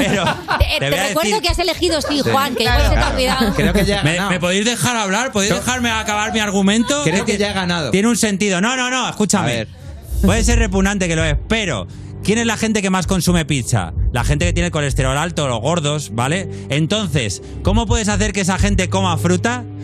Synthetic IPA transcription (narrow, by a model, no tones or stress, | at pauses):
peɾot̪eβojaððekweiɾðokeasele̞xiðostiwaŋkeset̪awiðakɾeoeʝaemenamepo̞ðizðe̞xaɾaβlaɾpoðizðexaɾmeakaβaɾmiaɾɣ̞umẽnt̪o̞ɾeokeʝaeɣanaðo̰jeneunse̞nt̪iðo̞nõ̞nõ̞nõ̞e̞xkut͡ʃamḛ | pwe̞ðes̬e̞ɾre̞p̬uɣnãnt̪e̞ke̞loehpe̞ɾo̞̰ | kjene̞zlaxe̞nt̪e̞ke̞masko̞nsume̞pit͡ʃa̰la̰xent̪e̞ke̞t̪jenelko̞le̞st̪e̞ɾo̞lalt̪olo̞̰ɣ̞o̞ɾðo̞sbale̞ | ent̪o̞n̟θe̞s | ko̞mo̞p̬we̞ðe̞saθe̞ɾkees̬axe̞nt̪e̞ko̞mafɾut̪a